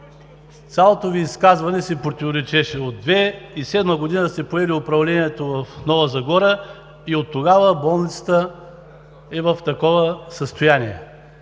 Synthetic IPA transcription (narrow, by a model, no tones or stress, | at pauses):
t̪sʲalˠot̪oviːskazvɐnɛsɛpɾot̪ivoɾɛt͡ʃɛʃɛod̪ːvɛisɛd̪məɡod̪inəsɛpoɛliʊpɾɐvlɛniɛt̪ovɐfnɔvəzɐɡɔɾə | iot̪ːoɡavəbɔlˠnit̪sə̥t̪ə | ɛvɐft̪ɐkɔvəsəst̪ojaniɛ